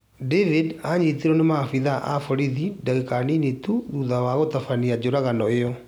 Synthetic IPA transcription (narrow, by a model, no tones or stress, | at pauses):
devidaɲit̪iɾɔnemafiðaʔafɔɾiðidaɣekaninetuðuðawaɣotafaniad͡ʑoɾaɣanɔejɔ